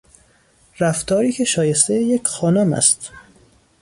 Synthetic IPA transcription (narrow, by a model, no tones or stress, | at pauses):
ræft̪ɒːɾiːcʰe̞ʃɒːje̞st̪ejecʰxɒːnomæ̰st̪